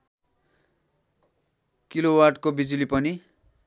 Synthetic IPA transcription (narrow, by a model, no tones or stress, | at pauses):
kilowarʈkobid͡zulipʌni